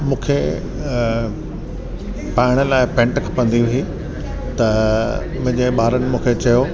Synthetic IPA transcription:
mũːkʰe | paːɪɽ̃əlaːɪpɛ̃ːɳʈkʰɐpɐ̃nd̪iʊɦi | t̪ɐ | mʊ̃ɦɪ̃ɲd͡ʑeɓaːɾənɪ̆mũːkʰet͡ɕɐjo

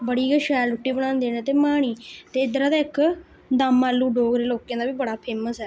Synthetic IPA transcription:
bəɽiːɡəʃɛːlʊʈːiːbəɽ̃aːnd̪eːnẽːt̪eːmaːɽ̃iːt̪eːɪd̪əɾaːd̪aːɪk | d̪amːaːlːuːɖoːɡɾeːloːkːẽːd̪aːbiːbəɽaːpʰeːməsɛː

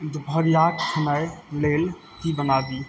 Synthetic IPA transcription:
d̪bʱəɾjatkʰənajlel | kibənad̪i

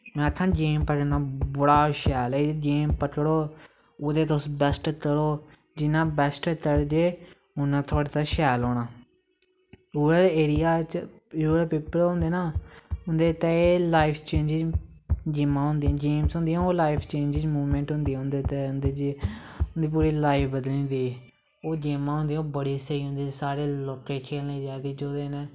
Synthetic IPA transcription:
mɛ̃ːət̪ʰːãːd͡ʒeːmpəkənãːbəɽaːʃɛːlɛd͡ʒeːmpəkɽoː | oːd̪eːt̪ʊsbɛsʈkəɽoː | d͡ʒɪnãːbɛsʈkəɽd͡ʒeː | ʊnãːt̪ʰʊaːɽeːt̪aːʃɛːloːnaː | uːəɾeːɾɪjaːt͡ʃ | ɾuːpeːpəɾɦʊ̃nd̪eːnãːɦʊ̃nd̪eːt̪ɛeːlaːipʰt͡ʃẽːnd͡ʒɪzd͡ʒɪːmãːɦʊ̃nd̪iãːd͡ʒeːmsɦʊ̃nd̪iːãːoːlaːipʰt͡ʃẽːnd͡ʒɪd͡ʒmuːʋmɛ̃ːɳʈɦʊ̃nd̪ĩːɦʊ̃nd̪eːt̪eːʊnd̪eːd͡ʒeʊnd̪iːp̬uːɾiːlaːɪpʰbəd̪lĩːd̪iː | oːd͡ʒeːmãːɦʊ̃nd̪ĩj̃oːbəɽiːsəiːɦʊ̃nd̪iːsaːɾeːloːkːeːkʰeːlniːd͡ʒaːd̪iːd͡ʒoːd̪eːnẽː

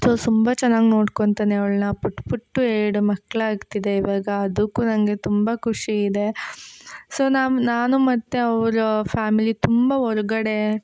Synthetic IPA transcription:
soːt̪umbɐt͡ʃɛnːaːɡino̞ːɽkoɳt̪aːneɐʋɭnɐpuʈːpuʈːueːɽumɐkːɭɐaːɡt̪id̪e̞iʋaːɡɐːd̪ukːuːnɐŋɡe̞t̪umbɐkʰuʂiːd̪e̞ | so̞ːnaːnaːnumɐt̪ːeɐʋɾupʰaːmilit̪umbɐɦɔɾɐɡɐɽe̞

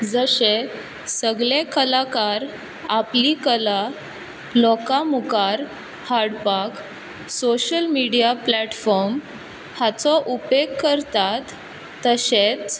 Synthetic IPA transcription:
d͡zəɕe | səɡɭekəlakaɾ | aplikəla | lɔkamukaɾ | haɽpak | soɕəlmiɽijaplɛʈfɔɾm | hat͡sɔʔupekːəɾt̪at̪ː | əɕet͡s

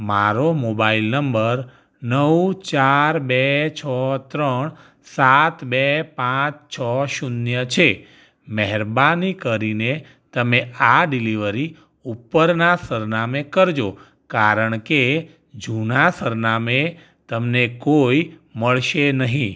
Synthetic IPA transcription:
maɾomobailnəmbəɾ | nəwt͡ʃaɾbɛt͡ʃʰɔt̪ɾəɳ | sat̪bepãt͡ʃt͡ʃʰɔʃunjət͡ʃʰe | mɛɦɛɾbanikəɾine | t̪əmeaɖiliʋəɾi | upːəɾnasəɾnamekəɾd͡ʒo | kaɾəɳ̃ke | d͡ʒunasəɾname | t̪əmnekoiməɭʃenəɦĩ

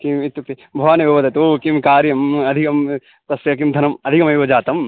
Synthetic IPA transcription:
kimit̪ːuk̚t̪i | bʱɐʋaːnɐʋoːʋɐd̪ɐt̪oːkimkaːɾjɐmɐd̪ʱikɐm | t̪ɐsʋjɐk̬imd̪ʱɐnɐmɐd̪ʱikɐmɐjʋɐd͡ʒaːt̪ɐm

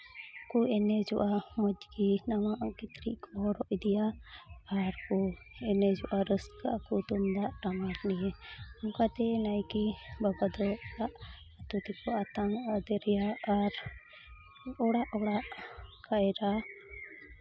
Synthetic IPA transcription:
kuɛnɛd͡ʒɔʔamɔd͡ʒkinamaʔkit̪ɾḭʔkʰɔɾɔʔd̪ijaː | ɾku | ɛnɛd͡ʒɔʔaɾəskaʔakut̪umd̪aʔʈamaɾnijɛamkat̪ɛnajkibabad̪ɔaʔ | at̪ut̪ɛkɔʔat̪aŋad̪ɛɾɛjaːɾ | ɔɽaʔɔɽaʔkʰajɛɾa

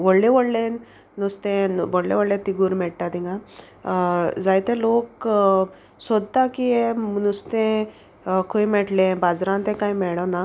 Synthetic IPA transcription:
ʋɔɽleʋoɽlen | nust̪ẽʋɔɽlḛʋəɽlet̪iɡuɾmɛɽʈ̪at̪ĩŋɡa | d͡zajt̪ẽlok | sɔd̪t̪akiemnust̪ẽ | kʰojmɛʈlẽbad͡zɾãnt̪ẽkaimɛɭɔna

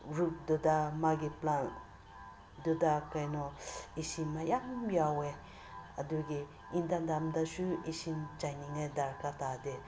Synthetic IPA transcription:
ɹuk̚d̪od̪amaɡiplan | d̪ud̪akajnɔeʃimajajawe | ad̪uɡi | ind̪and̪amd̪aʃueʃint͡ʃaniŋad̪aɾkat̪ad̪e

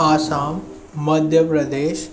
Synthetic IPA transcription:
aːsaːmː | ɐd̪ʱjəpɾəd̪eːʃ

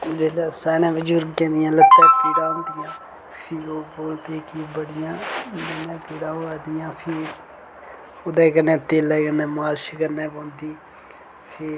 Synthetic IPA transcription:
d͡ʒeːlɛːsɛːñɛ̃ːbəd͡ʒuɾɡkɛ̃ːnd̪ɪjãːlət̪ːɛːpiːɾãːnd̪ɪjãː | pʰɪːɾoːboːlt̪eːkiːbəɽɪjãːd͡ʒənɛ̃ːpiːɾãːoːaːd̪ɪjãːpʰɪːɾ | od̪ɛːkənɛ̃ːt̪eːlɛːkənːɛ̃ːmaːlʃəkəɾnɛːpɔ̃ːnd̪iː | pʰɪːɾ

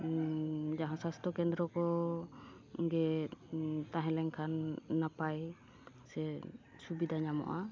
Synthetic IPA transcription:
d͡ʒaɦãsast̪ɔkɛnd̪ɾɔkɔ | ɡɛ | t̪aɦɛ̃lɛŋkʰanːapaj | sɛ | subid̪ʱaɲamɔ̰ʔa

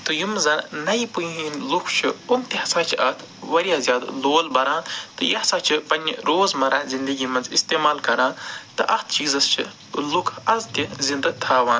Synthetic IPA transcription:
t̪ɨjumzɐnnɐipujĩinlukʰt͡ʃʰiumt̪ʲihɐsaːt͡ʃʰɐt̪ʰ | ʋɐɾijaːzjaːd̪loːlbɐɾãːt̪ɨjɐhsaːt͡ʃʰipɐnʲːɾoːzmɐɾaːzind̪ɐɡiːmɐnzḭst̪eːmaːlkɐɾãːt̪ɨʔɐxt̪ʰt͡ʃiːzɐst͡ʃʰḭ | lukʰɐzt̪ʲizind̪ɐɡ̚t̪ʰaːʋãːn

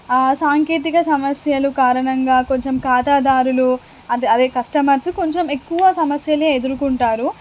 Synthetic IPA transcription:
saːŋkeːt̪̬ikɐsɐmɐsjɐlukaːɾɐɳɐŋɡaːko̞ɲt͡ʃe̞mkaːt̪aːd̪aːɾulu | ɐɐd̪ekɐsʈɐmɐɾsuko̞ɲt͡ʃe̞me̞kːuʋɐsɐmɐsjɐleːed̪uɾukuɳʈaːɾu

